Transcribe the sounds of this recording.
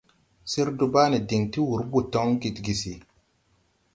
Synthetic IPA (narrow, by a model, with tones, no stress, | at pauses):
si˦ɾdu˦ba˦ni˨di˨ŋti˦wu˨ɾbu˨tɔ˦ŋɡi˨tɡi˨si˨